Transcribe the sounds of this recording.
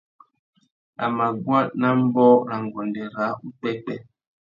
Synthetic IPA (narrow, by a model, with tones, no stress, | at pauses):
a̰˨ma˨ɡwa˦na˦m̩˦bɔ˦ɾa˨ŋ˨ɡɔ˨ndɛ˨ɾa˨˦u˦tɛ˦k͡pɛ˦